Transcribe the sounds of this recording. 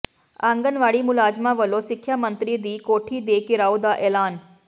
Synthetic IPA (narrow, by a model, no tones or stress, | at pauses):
ãːŋɡənʋaːɽimʊlaːd͡ʒmãʋəlosɪkʰːjaːmə̃nt̪ɾid̪iːkoːʈʰid̪eːkɪɾaːod̪aʔɛːlaːn